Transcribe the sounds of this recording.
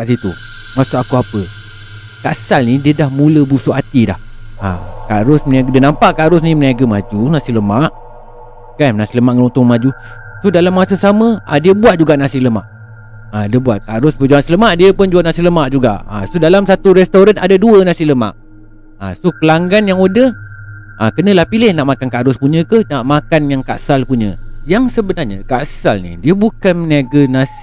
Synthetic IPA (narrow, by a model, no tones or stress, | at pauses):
kaʔsit̪u | masʊʔakuapə | kasalnidiədahmuləbusoʔat̪ida̰h | a̰kaɾʊsməniaɡədiənampaʔkaɾʊsniməniaɡəmad͡ʒunasiləmaʔ | kannasiləmaʔŋəlɔŋt̪ɔŋmad͡ʒu | sodalamːasəsaməadiəbuwat̪̚d͡ʒuɡaʔnasiləma̰ʔ | adiəbuat̪̚kaɾʊspəd͡ʒaasiləmaʔdiəpʊnd͡ʒuanasiləmaʔd͡ʒuɡa̰ʔa̰sodalamsat̪uɾɛst̪oɾanadaduənasiləma̰ʔ | a̰sokəlaŋɡanjaŋodəh | akənə̃lahpilɪhnaʔmakankaʔɾʊspuɲə̃kəhnaʔmakanjaŋka̰ʔsalpuɲə̰̃jaŋsəbənarɲə̰kaʔsalnḭdiəbukanməniaɡənas